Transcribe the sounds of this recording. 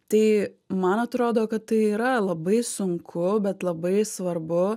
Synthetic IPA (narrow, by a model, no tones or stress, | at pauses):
t̪ɐɪ | mɐnɐt̪ɾoːd̪oːkɐt̪tɐɪiːɾɐlˠɐbɐɪsʊŋkʰʊbʲɛt̪lˠɐbɐɪsʋɐɾbʊ